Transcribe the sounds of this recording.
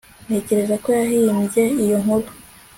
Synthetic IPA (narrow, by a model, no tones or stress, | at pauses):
ne̞ceɾe̞zako̞jaɦimjeijo̞ŋobo